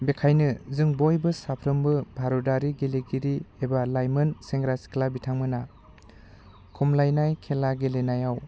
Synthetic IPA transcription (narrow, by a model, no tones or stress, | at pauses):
bekʰajnɯzɯŋbojbɯsapʰɾɯmbɯbʱaɾɔdaɾiɡeleɡiɾiebalajmɯnseŋɡɾasi̥kʰlabitʰaŋmɯna | kʰumlajnajkʰelaɡelenajaw